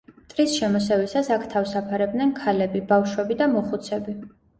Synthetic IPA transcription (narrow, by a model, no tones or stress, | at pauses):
mt̪ʼɾisʃɛmɔsɛvisasakʰt̪ʰavsapʰaɾɛb̚d̪nɛnkʰalɛbibafʃwɛbid̪amɔχut̪sʰɛbi